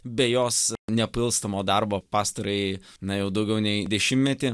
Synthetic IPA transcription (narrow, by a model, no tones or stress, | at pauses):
bʲɛjoːsnʲɛpɪlˠst̪ɐmoːd̪ɐɾboːpɑːst̪ɐɾɐɪnɐjɛʊd̪ɐʊɡʲɛʊnʲɛɪd̪ʲɛʃʲɪmmʲɛt̪ʲɪ